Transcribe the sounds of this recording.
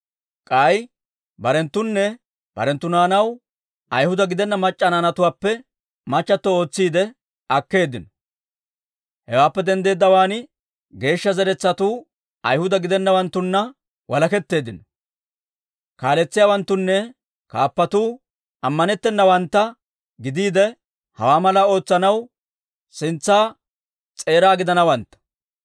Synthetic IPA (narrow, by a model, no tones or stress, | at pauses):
kʼɐj | bɐɾɛnt̪ːʊnːɛ | b̥ɐ̰ɾɛnt̪ːʊnaːnɐw | ɐjhʊd̪ɐɡɪd̪ɛnːɐmɐt͡ʃʼːɐnaːnɐt̪ʊwaːpːɛ | mɐt͡ʃːɐt̪ːɔo̞ːt͡sːiːd̪ɛ | ɐkːe̞ːd̪ɪnɔ | hɛwaːpːɛd̪ɛnd̪e̞ːd̪ːɐwaːn | ɡe̞ːʃːɐzɛɾɛt͡sːɐt̪uː | ɐjhʊd̪ɐɡɪd̪ɛnːɐwɐnt̪ːʊnːɐ | wɐlɐkɛt̪ːe̞ːd̪ɪnɔ | kaːlɛt͡sːɪjaːwɐnt̪ːʊnːɛ | kaːpːɐt̪uː | ɐmːɐnɛt̪ːɛnːɐwɐnt̪ːɐ | ɡɪd̪iːd̪ɛ | hɐ̰waːmɐlɐo̞ːt͡sːɐnɐw | sɪnt͡sːaː | t͡sʼe̞ːɾaːɡɪd̪ɐnɐwɐnt̪ːɐ̥